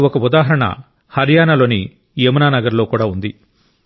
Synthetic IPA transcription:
ɔkɐud̪aːɦɐɾɐɳɐ̰ | hɐɾjaːnɐlo̞ːni | emɐnaːnɐɡɐɾlo̞ːkuːɽaːund̪i

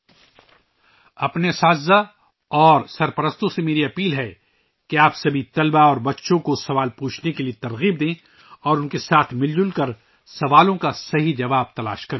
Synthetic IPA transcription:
ɐpnesaːzza | ɔːɾsɐɾpɐɾəst̪õsemeːɾiɐpiːlɦɛ | keaːpsɐbʱit̪ɐlbaɔːɾbɐtːʃõkosɐʋaːlpuːt͡ʃʰnekeliet̪ɐɾɣiːb̚d̪ẽː | ɔːɾʊnkesaːt̪ʰmɪld͡ʒʊlkɐɾ | sɐʋaːlõkasɐɦid͡ʒɐʋaːb̚t̪ɐla̰ːʃkɐɾẽː

